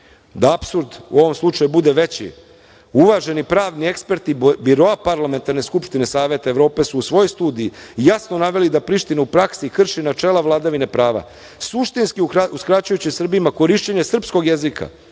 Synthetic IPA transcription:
d̪aapsuɾd̪ṵo̞ʋo̞mslˠut͡ʂajubud̪e̞ʋe̞t͡ɕḭ | uʋaʒe̞nipɾaːʋnie̞kspe̞ɾt̪ibiɾo̞apaɾlament̪aɾne̞skupʃt̪ine̞saːʋe̞t̪aeʋɾo̞ːpe̞suːsʋo̞jojst̪uːd̪ijijasno̞naʋe̞lid̪apɾiʃt̪inaupɾaksikr̩ʃinat͡ʃe̞ːlaʋlˠaːd̪aʋine̞pɾaːʋa̰ | suʃt̪inskiuskɾat͡ɕujut͡ɕisr̩bimako̞ɾiʃt͡ɕeɲe̞sr̩psko̞ɡje̞zikʰa̰

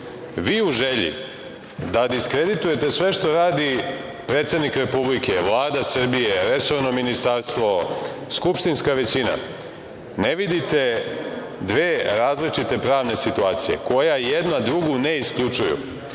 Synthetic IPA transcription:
ʋiːuʒeʎḭ | d̪ad̪iskɾe̞d̪it̪uje̞t̪e̞sʋe̞ʃt̪o̞ɾaːd̪i | pɾe̞ːt̪sed̪nikɾe̞publike̞ʋlˠaːd̪asr̩bije̞ɾe̞so̞vnominist̪aɾst̪ʋo̞skupʃt̪inskaʋe̞t͡ɕina̰ | neʋid̪it̪e̞ | d̪ʋeːɾaːzlit͡ʃit̪e̞pɾaːʋne̞sit̪uaːt̪sije̞̰ko̞jajed̪nad̪ɾuɡune̞iskʎut͡ʂujṵ

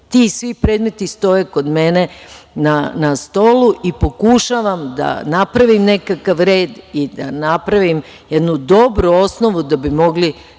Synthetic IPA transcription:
t̪iːsʋipɾe̞ːd̪me̞t̪ist̪o̞jeko̞d̪me̞ne̞nanast̪o̞luʔipo̞kuʃaʋamd̪a̰napɾaʋimne̞kakaʋɾe̞ːd̪id̪a̰napɾaʋim | je̞d̪nud̪o̞bɾuo̞sno̞ʋud̪abimo̞ɡli

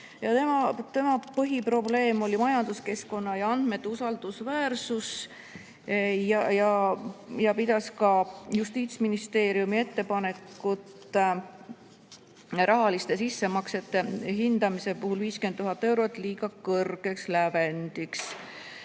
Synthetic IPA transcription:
jɑt̪emɑt̪e̞mɑpɤɦipro̞ble̞ːmo̞lʲimɑjɑnd̪̥uske̞sko̞nːɑjɑɑnd̪̥me̞t̪ːusɑld̪̥usvæːɾsus | jɑjɑ | jɑpid̪̥ɑskɑjust̪iːt̪sminist̪e̞ːɾjumie̞t̪ːe̞pɑne̞kːˑut̪ | ɾʔɑɦɑlist̪e̞sisːe̞mɑkse̞t̪ːe̞ɦind̪̥ɑmise̞puɦulviːskent̪ːuɦɑt̪ːˑe̞wɾot̪ːˑliːɡ̥ɑkɤrɡ̥e̞kslæve̞nd̪̥iks

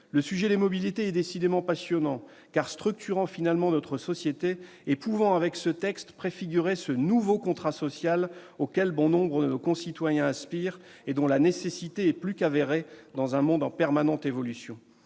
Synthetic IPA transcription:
ləsyʒɛd̪emɔbilit̪eɛd̪esid̪emɑ̃pasjɔnɑ̃ | kaʁst̪χyk̚t̪yʁɑ̃finalmɑ̃nɔt̪χəsɔsjet̪e | epuvɑ̃avɛksət̪ɛkst̪pχefiɡʲyʁesənuvokɔ̃t̪χasɔsjalokʲɛlbɔ̃nɔ̃bʁəd̪ənokɔ̃sit̪wajɛ̃ãspiʁ | ed̪ɔ̃lanesesit̪eɛplykaveʁed̪ɑ̃zɛ̃mɔ̃d̪ɑ̃pɛʁmanɑ̃t̪evɔlysjɔ̃

